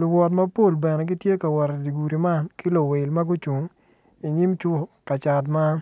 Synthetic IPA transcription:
lʊ˨wɔ˨tmɐ˦po˦˨lbɛ˨nɛ˨ɡi˦tje˦ka˨wɔ˨ɾdi˨ɡu˨ɾi˨ma˦˨nki˦lo˨we˨lma˦ɡʊ˦t͡ʃu˨ŋ | i˨ɲɪ˦mt͡ʃʊ˦˨ka˨t͡ʃa˨t̬ma˦

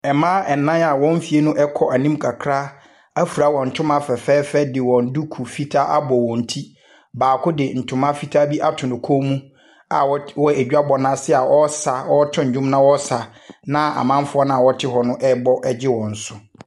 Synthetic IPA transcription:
ɛ˨mãː˦ɛ˨nːã˦na˨wɔ̃˦m̩˦fi˨e˦nʊ̃˦ʔɛ˦kʰɔ˨ʔa˨nĩ˦mkʰa˨kʰɾa˦ | a˦fu˨ɾa˨˦wɔ̃˨n̩˨tʰʊ̃˦mã˦fɛ˨fɛː˦fɛ˦dɪ˨wɔ̃˨n̩˦du˦kʰu˨fi˦tʰa˦ʔa˦bɔ˨wɔ̃˨n̩˨tʰi˦ | baː˨kʰʊ˦dɪ˨n̩˨tʰʊ̃˨mã˦fi˦tʰa˦bi˦ʔa˦tʰʊ̃˨nʊ̃˨kʰoː˦mũ˦ | a̰˨wwɔ˦e˨d͡ʑᶣa˦bɔ˨nã˦sɪ˦a˨ʔɔ˦sa˨ɔ˦tʰɪ˦ɲ̩˨d͡ʑᶣʊ̃˦m˦nã˦wɔ˦sa˨ | nã˦a̰˨mã˦m˦fʊ˦ɔ˦nã˦a˨wɔ˦tʰɪ˦ɦɔ˨nʊ̃˦ʔɛ˦bɔ˦ʔɛ˦˨d͡ʑɪ˦wɔ̃˨n̩˨sʊ˦

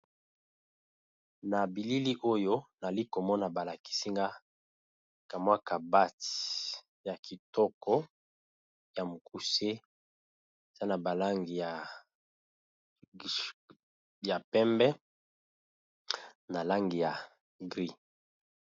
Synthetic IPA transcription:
na˨bi˨li˦li˦ʔo˦jo˦na˨li˦ko˨mɔ˦na˨ba˨la˨ki̥˨si˦ŋɡa˦ | ka˨mwa˦ka˨ba˦t | ja˨kʰi˨tɔ˦kɔ˦ | ja˨mo˨kʰu˦se˦ | e˨z̥a˦na˨ba˨la˦ŋɡi˨ja˨ | ja˨pɛ˦mbɛ˦ | na˨la˦ŋɡi˨ja˨ | ɡʁi˦

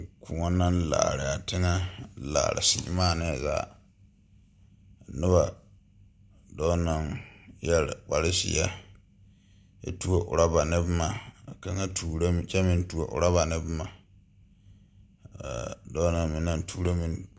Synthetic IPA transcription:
kʊ˨ŋa˦na˦nla̰ː˨ɾɪ˨a˨tɪ˦ŋa˦la̰ː˨ɾɪ̰˨sḭ˨˦maː˦˨nɪ˦˨za̰˨ | nɪ˦βa˨ | dɔ˦na˨ŋjɛ˦lk͡pa˨lɪ˦sɪ̰˨˦a˦ | ja̰˦tu˦o˦ʔʊ̰˨ɾa˦ba˨nɪ˦bma˨ka˦ŋa˦tʰu˨ɾt͡ʃɛ˦mɪ̃˨n˦tu˨o̰˨ʔʊ̰˨ɾa˦βa˨nɪ˦bma˨ | dɔ˦na˨ŋmi˨na˦n˦tʰuː˦ɾo˦mi˨n

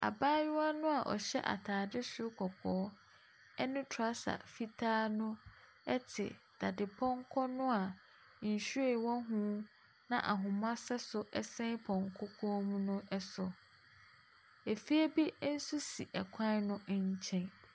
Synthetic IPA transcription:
a̰˨baː˦jʊ˦a˦nʊ̃˦a˨ʔɔ̰˨ɕɛ̰˦ʔa̰˨tʰaː˨dɪ˦sʊ˦kʰɔ˨kʰɔː˨˦ | ɛ˦nʊ̃˦tʰa˦sa̰˨fi˦tʰaː˦nʊ̃˦ | ɛ˦tʰɪ̰˨ | d̥a˨dɪ˨pʰɔ˦ŋkʰɔ˦nʊ̃˦a˨ | n̩˨ɕu˦e˦˨wɔ̃˦ɦũ˦ | nã˨ʔa˨ɦʊ̃˨mã˦sɛ˦sʊ˦ʔɛ˦˨sɛ̃˦pʰɔ̃˨ŋkʰɔ˦kʰɔ˦mũ˦nʊ̃˦ʔɛ˦sʊ˨ | e˨fi˦e˦bi˦n̩˦su˦si˨ʔɛ˨kʷʰã˦nʊ̃˦ɲ̩˦t͡ɕʰɛ̃˦n

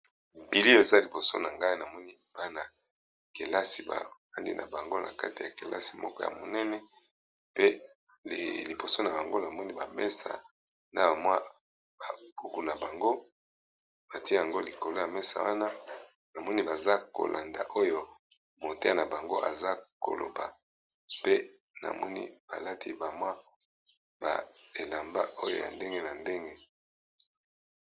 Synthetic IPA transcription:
m˨bi˨li˦o˦e˨za˦li˨bo˨so̰˦na˨ŋɡa˦i˦na˨mɔ˦ni˦b̥a˦na˨ | ke˨la˦si˨ba̰˨ba˦ndḭ˦nʔa̰˨ba˨ŋɡo˦na̰˨ka˦ti˨ja˨ke˨la̰˦si̥˨mɔ˦kɔ˦ja̰˨mo˨nɛ˦nɛ˦ | pḛ˦˨ | li˨bo˨so˦na˨ba˨ŋɡo˦na˨mɔ˦ni˦ba˨mɛ˦sa̰˨ | na̰˦ba˨m˦a˦ | ba˨ku˦ku˨na˨ba˨ŋɡo˦ | na˨ti˦e˦ja˨ŋɡo˦li˨ko˨lo˦ja˨mɛ˦sa̰˨wa˦na˦ | na˨mɔ˦ni˦ba˨za˦ko̰˨lʔa˨nda̰˨ʔo˦jo˦ | mo˨te˦a˦na˨ba˨ŋɡo˦ʔa̰˨za˦ko̰˨lo̰˨ba˨ | pe˦ | na̰˨mɔ˦nḭ˦b̥a˨la˦tʰi˦ba˨mwa˦ | ba̰˨e˨la˨mba̰˦ʔo˦jo̰˦ja̰˨nde˦ŋɡe˦na˨nde˦ŋɡe˦

